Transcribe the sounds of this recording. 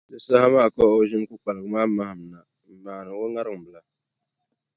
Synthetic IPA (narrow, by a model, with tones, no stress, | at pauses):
dɨ˦sa˦ha˦maː˦˨kɔ˦o˦ʒɪ˦m˦ku˦k͡pa˨lɨ˨ɡɨ˦maː˦ma˦hɨ˨m˨na˨ | m̩˨maː˨nɨ˨o˦ŋa˦ɾɨ˦˨ŋ˨bɨ˨la˨